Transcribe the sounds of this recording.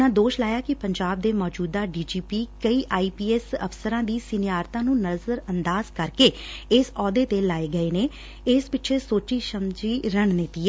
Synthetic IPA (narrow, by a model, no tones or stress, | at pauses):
ãːd̪oːʃlaːjaːkɪpəɲd͡ʒaːb̚d̪eːmɔːd͡ʒuːd̪aːɖiːd͡ʒiːpiːkəiːʔaːiːpiːɛːsəfsəɾãːd̪iːsɪnɪjaːɾt̪ãːnũːnəzəɾənd̪aːzkəɾkeːɪsɔːd̪eːt̪eːlaːeːɡəeːneː | ɪspɪtːʃʰeːsoːt͡ʃiːʃəmd͡ʒiːɾəɳnɪt̪iːɛ